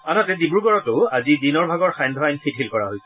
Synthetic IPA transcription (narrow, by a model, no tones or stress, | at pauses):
anatɛzibuɹɡɔɹɔtʊazidinɔɹbʱaɡɔɹxajndʱɔajnfʰitʰilkɔɹa̰ɦojsɛ